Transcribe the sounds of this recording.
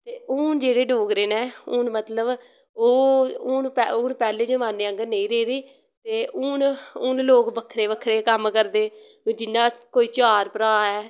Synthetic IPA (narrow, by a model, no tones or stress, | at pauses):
t̪eːʊːnd͡ʒeːɽeːɖoːɡɾeːnẽːʊːnmət̪ləb | oːʊːnpɛʊːnpɛːleːd͡ʒəmãːneːəŋɡəneĩːɾeːɾiː | t̪eːʔʊːnʊnloːkbəkʰɾeːbəkʰɾeːkəmkəɾd̪eː | d͡ʒɪnːãːkoːiːt͡ʃaːɾpəɾaːɛː